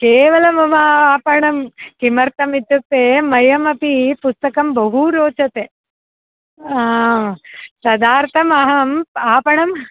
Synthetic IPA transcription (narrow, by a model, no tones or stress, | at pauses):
keːʋɐlɐmɐmaaːpɐɳɐmkimɐɾt̪ɐmit̪ːuk̚t̪ːeːmɐjɐmɐpipust̪ɐkɐmbɐɦuɾoːt͡ʃɐt̪eː | aː | sɐd̪aːɾt̪ʰɐmɐɦɐmaːpɐɳɐm